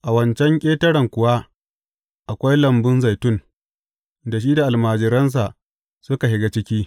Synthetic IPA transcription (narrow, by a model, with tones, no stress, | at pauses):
ʔa˨wɐ˦nt͡ʃɛ˦ŋkʲʼeː˦tɐ˦ɽɐ˨ŋkʷʊ˨wa˦ | ʔa˨kʷa˦jlɐ˨mbʊ˦nza˨jtʊ˦˨n | da˨ʃ̬iː˦da˨ʔa˨lmaː˨d͡ʒɪ˦ɾɐ˦ns̬a˨ʔ | sʊ˦ka˨ɦɪ˦ɡa˦t͡ʃɪ˦kʲiː˦